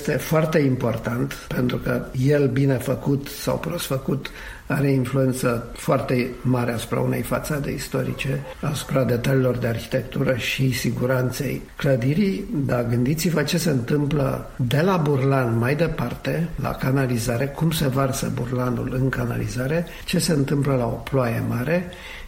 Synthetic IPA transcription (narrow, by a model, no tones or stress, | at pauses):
st̪e̞foart̪e̞impo̞rt̪ant̪pe̞nt̪ɾukəjelbine̞fəkut̪sa̰wpɾosfəkut̪ | aɾeinflue̞nt̪sə | foart̪e̞maɾeasu̥pɾa̰une̞̰jfa̰t̪sad̪e̞̰ist̪o̞ɾḭt͡ʃe̞asu̥pɾad̪e̞t̪aliːlo̞rd̪e̞arçi̥t̪e̞kt̪uɾəʃisiɡuɾant̪se̞jkləd̪iɾid̪aɡɨnd̪it̪sivət͡ʃe̞se̞ɨnt̪ɨmplə̰ | d̪e̞laburlanmajd̪e̞part̪e̞la̰kanalizaɾe̞kumse̞varsə̰burlanṵlɨŋkana̰lḭzaɾe̞ | t͡ʃe̞se̞ɨnt̪ɨmpləlao̞ploaje̞̰maɾe̞